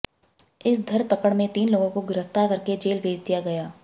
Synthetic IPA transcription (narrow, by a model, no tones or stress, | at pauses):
ɪsd̪ʱɐɾpɐkəɽmẽt̪iːnloːɡõkoɡʊɾəft̪aɾkɐɾked͡ʒeːlbʱeːd͡ʒd̪ijaɡɐjaː